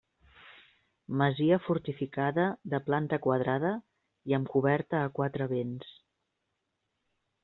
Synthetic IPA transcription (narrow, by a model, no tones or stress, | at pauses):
məziəfuɾt̪ifikaðəðəplant̪əkwəð̞ɾaðə | iəmkuβɛɾt̪əːkwat̪ɾəβens